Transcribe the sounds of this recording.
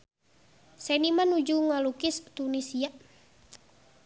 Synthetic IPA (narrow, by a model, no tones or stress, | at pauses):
sɛnimanud͡ʒuŋalukɪst̪unisia